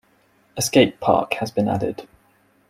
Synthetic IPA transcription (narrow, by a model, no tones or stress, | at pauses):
əskeɪpʰɑ̰ˑkhəzbĩna̰dɪ̰d̥